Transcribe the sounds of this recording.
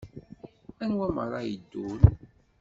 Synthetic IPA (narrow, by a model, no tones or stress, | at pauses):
ænwæmə̰ɾˤɑjəd̪ːul